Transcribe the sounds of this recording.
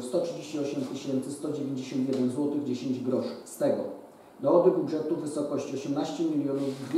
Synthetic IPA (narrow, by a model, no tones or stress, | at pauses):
st̪ɔtʂɘd͡ʑeɕt͡ɕiɔɕɛmt̪ɘɕɛnt̪sɘst̪ɔd͡ʑevʲjẽɲd͡ʑeɕɔnt̪jɛd̪ɛnzwɔt̪ɘɣd͡ʑeɕeɲd͡ʑɡɾɔʂɘst̪ɛɡɔ̰ | nɔɔbɘbudʐɛt̪uvɘsɔkɔɕt͡ɕiɔɕɛmnaɕt͡ɕɛmʲilʲjɔnuvd̪vʲ